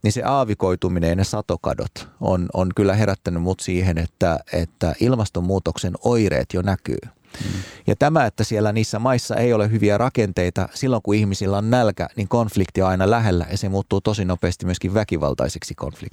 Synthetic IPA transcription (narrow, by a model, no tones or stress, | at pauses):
ninsḛʔɑːʋikoit̪uminejɑnesɑt̪okɑ̰do̰t̪o̰nonkylːæɦeɾæt̪ːænymmut̪siːɦenet̪ːæet̪ːæʔilmɑst̪omːuːt̪oksenoirḛːt̪jonæky̰ː | jɑ̰t̪æmæet̪ːæsielːæniːsːæmɑisːɑ̰ʔejolehɦyʋiærʔɑkent̪eit̪ɑsilːoŋkuihmisilːæonnælkæ̰niŋkonflikt̪ioɑinɑlæɦelːæ̰jɑsemuːt̪ːuːt̪osinopeːst̪imyøskiʋʋækiʋɑ̰lt̪ɑ̰iseksiko̰nflḭkt